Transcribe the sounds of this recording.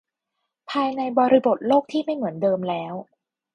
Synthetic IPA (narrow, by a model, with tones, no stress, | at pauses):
pʰaː˧jna˧jbɔː˧ɾi˧bo˨˩t̪̚loː˥˩k̚t̪ʰiː˥˩ma˥˩jmɯ˩˦əndɤː˧mlɛː˦˥w